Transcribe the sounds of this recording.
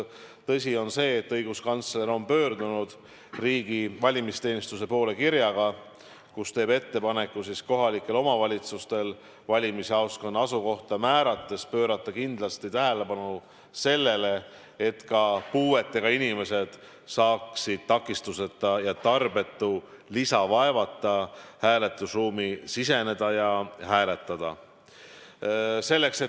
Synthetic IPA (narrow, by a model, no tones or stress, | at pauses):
t̪ɤs̬ʲio̞nse̞ːt̪ːɤjɡ̥uskɑnt̪sle̞ɾo̞mpø̞ːrd̪unud̪̥ | riːɡ̥ivɑlʲimist̪e̞ːnist̪use̞po̞ːle̞kiɾjɑɡ̥ɑ | kust̪e̞ːbe̞t̪ːe̞pɑne̞kːˑusisko̞ɦɑlikːˑe̞lo̞mɑvɑlʲit̪sust̪e̞l | vɑlʲimiseɑwsko̞nːɑsuko̞ht̪ɑmæːɾɑt̪ːˑe̞spø̞ːɾɑt̪ˑːɑkind̪̥lɑst̪it̪æɦæle̞pɑnu | se̞lːe̞le̞ | et̪kɑpuːe̞t̪ːe̞ɡ̥ɑinime̞se̞d̪̥ | sɑːksid̪̥̚t̪ɑkˑːist̪use̞t̪ːˑɑjɑt̪ɑrb̥e̞t̪ːˑu | lisɑvɑevɑt̪ˑːɑhæːle̞t̪ːˑusruːmisise̞ne̞d̪̥ɑjɑhæːle̞t̪ˑːɑd̪̥ɑ | se̞lːe̞kse